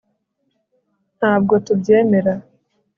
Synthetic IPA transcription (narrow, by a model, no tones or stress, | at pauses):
n̥haːb̚ɡo̞tubje̞ːme̞ɾa